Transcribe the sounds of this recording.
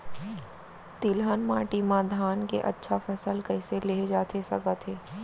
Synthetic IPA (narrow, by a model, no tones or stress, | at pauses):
t̪ilɦənmaːʈimãd̪ʱaːnkḛʔɐ̰tːʃʰafɐsəlkɐɪseleːd͡ʒaːt̪esɐɡət̪ʰɦeː